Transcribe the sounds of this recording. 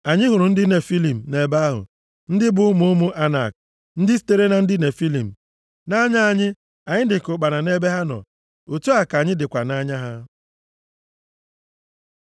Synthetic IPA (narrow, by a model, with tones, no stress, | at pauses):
a˨ɲɪ˦ɦʊ˨ɾʊ˨n̩˦dɪ˦ne˨fi˦li˨m̩˨ne˨ba˦ɦʊ̰˨ | n̩˦dɪ˦bʊ˦ʊ˦mʊ˦ʊ˦mʊ˦ʔa˦na̰˨k̚ | n̩˦dɪ˦s̬i̥˦te˦ɾe˦na˨n̩˦dɪ˦ne˨fi˦li˨m̩˨ | na˦ɲa˦a˨ɲɪ˦ | a˨ɲɪ˦dɪ˨kʊ˨k͡pa˨na˨ne˦be˦ɦa˦nɔ̰˨ | o˨tu˦a˨ka˨ɲɪ˦dɪ˨kʷa˨na˦ɲa˦ɦa˦